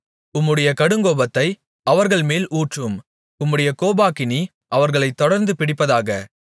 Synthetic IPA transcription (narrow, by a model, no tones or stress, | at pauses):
ʊmːɯɽɐjɐkɐɽɯŋɡoːbɐt̪ːɐɪ | ɐʋɐɾɣɐɭmeːluːʈrɯm | ʊmːɯɽɐjɐkoːbaːkɪni | ʔɐʋɐɾɣɐɭɐɪt̪ːɔɽɐɾnd̪ɯpɪɽɪpːɐðaːɣɐ